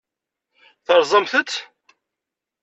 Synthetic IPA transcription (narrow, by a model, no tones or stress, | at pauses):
θəɾˤzˤəmθət̪ː